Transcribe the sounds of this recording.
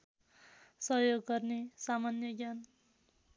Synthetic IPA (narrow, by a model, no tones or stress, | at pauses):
sʌɦjoɡːʌrnesamanjʌɡjan